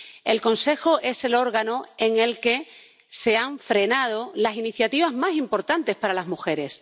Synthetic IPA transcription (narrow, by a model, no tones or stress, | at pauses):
e̞lko̞nse̞xoʔe̞se̞lo̞ɾɣanoe̞ŋe̞lke̞ | se̞aɱfɾe̞nað̞o̞lasiniθjat̪iβ̞azmasimpo̞ɾt̪ant̪e̞spaɾalazmuxe̞ɾe̞s